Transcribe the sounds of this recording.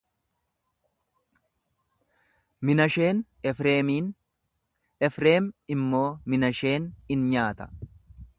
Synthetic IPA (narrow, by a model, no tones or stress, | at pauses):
mɪnɐʃeːn | eːmiːn | ɛfɾe̞ːmɪmːo̞ːmɪnɐʃe̞ːnɪnɲaːt̪ɐ̥